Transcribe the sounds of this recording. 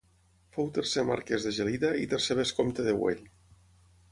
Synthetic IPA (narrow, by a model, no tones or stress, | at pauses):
fowt̪ersema̰ɾkezðeʒeliðait̪erseβeskomt̪eðewḛʎ